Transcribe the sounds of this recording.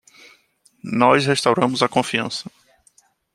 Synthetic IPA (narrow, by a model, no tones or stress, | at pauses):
nɔshest̪awɾɐ̃mʊzɐkõfiɐ̰̃sɐ